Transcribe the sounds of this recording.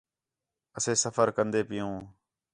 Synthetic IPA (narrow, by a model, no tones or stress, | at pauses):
əseːsəfəɾkənd̪eːpɪjõː